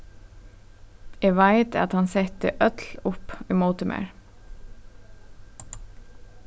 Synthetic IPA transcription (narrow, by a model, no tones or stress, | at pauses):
eːʋæɪt̪ʰɑ̰t̪hɑnsɛt̪̚ə̰ʔœt̪lʊpiːmoːt̪əmʔḛːɹ